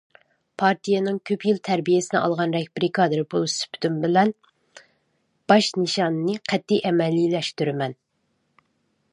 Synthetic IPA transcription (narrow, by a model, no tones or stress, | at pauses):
pʰɑɾt̪ʰijenɨŋkʲʰøpʰjɪlt̪ʰæɾbijesɪnɨ̰ʔɑ̰lˠʁɑnɾɛkʲbɾikʰɑd̪ɨɾɨbulˠsy̥pʰy̥t̪ymbɪlɛn | b̥ɑʃnɨʃɑnɨnɨqʰɛt̪ʰːijʔɛmɛlːilɛʃt̪yɾɪmɛn